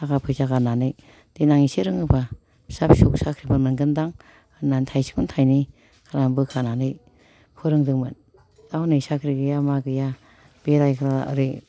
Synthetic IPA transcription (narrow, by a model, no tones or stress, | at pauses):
akapʰɯzaɡananɯj | d̥enaŋisiɾɯŋɯba | sap̚suk̚sakʰɾibɯnmɯnɡɯndaŋ | nantʰajsi̥kŋmɯntʰajni | kʰaɾambɯkʰananɯj | kʰɯɾɯŋdɯŋmɯn | dawnɯjsakʰɾiɡɯjamaɡɯja | b̥eɾajkʰɯɾaa̰ɾɯ